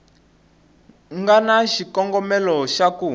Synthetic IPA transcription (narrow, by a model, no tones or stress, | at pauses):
ŋɡanaʃikɔŋɡɔmɛlɔʃaku